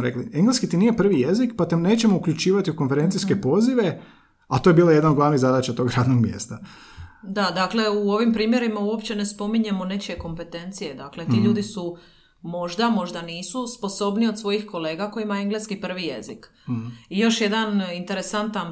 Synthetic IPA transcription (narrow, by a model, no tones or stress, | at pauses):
ɾeklieŋɡleskit̪inijepr̩ʋijezikpat̪ene̞ːt͡ɕe̞mo̞ukʎut͡ʃiːʋat̪iuko̞nfeɾe̞nt̪siske̞po̞ziʋe̞ | at̪oje̞biːlajed̪nanod̪ɡlaʋniɣzad̪at͡ɕat̪o̞ːɡɾaːd̪noɡmjḛst̪a | d̪ad̪akle̞uo̞ʋimpɾiːmje̞ɾimauo̞pt͡ɕe̞ne̞spo̞miɲe̞mone̞t͡ɕeko̞mpe̞t̪e̞nt̪sije̞d̪akle̞t̪iʎuːd̪isu | mo̞ʒd̪amo̞ʒd̪aniːsuspo̞so̞bniod̪sʋo̞jixko̞le̞ːɡako̞jimaeŋɡleskipr̩ʋije̞̰zik | ijo̞ʃje̞d̪anint̪e̞ɾesant̪an